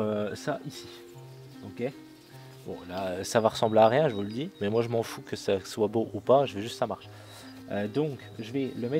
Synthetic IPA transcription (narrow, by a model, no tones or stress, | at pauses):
øsaʔisi | okʲe | bɔ̰̃laøsavaʁəsɑ̃bleaʁjɛ̃ʒəvuləd̪iʁmɛmwaʒəmɑ̃fukəsaswaboʔupaʒəvɛʒyst̪samaʁʃ | ød̪ɔ̃k | ʒəvɛləmɛ